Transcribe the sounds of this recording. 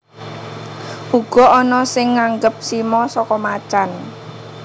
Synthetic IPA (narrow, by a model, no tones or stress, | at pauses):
ʔuɡ̥ɔ̤ɔnɔsɪŋːaŋɡəp̚simɔsɔkɔmat͡ʃan